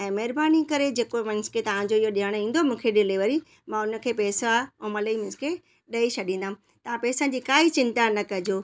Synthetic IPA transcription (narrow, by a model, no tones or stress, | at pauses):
ɛ̃ːmɐɦɪɾbaːnikɐɾed͡ʑeːkomɐ̃nskʰet̪ɐʋ̤ãd͡ʑoɪɦoɗijaːɽ̃ĩːn̆d̪omũːkʰeɗɪliʋəɾi | mãːʊnə̆kʰeːpɛːsoaːɛ̃ːmɐləimɪ̃skʰe | ɗɐiɕʰɐɗĩːnd̪ãː | t̪ɐʋ̤ãpɛːsə̃d͡ʑiːkaːit͡ɕɪ̃nt̪anɐkɐd͡ʑoː